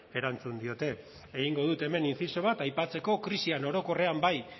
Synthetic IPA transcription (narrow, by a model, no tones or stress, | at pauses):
e̞ɾant͡sund̪io̞t̪e̞ː | ɣiŋɡo̞ð̞ut̪e̞me̞ninsiso̞β̞at̪ajpat͡se̞ko̞kɾisiano̞ɾo̞ko̞re̞ambaj